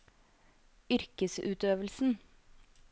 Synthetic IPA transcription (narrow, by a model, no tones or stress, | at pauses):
ʏɾkəsʉːt̪øːʋəlsn̩